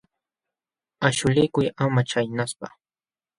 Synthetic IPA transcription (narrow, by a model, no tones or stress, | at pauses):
aʃʊlɪjkʊjamat͡ʃajnaspa̰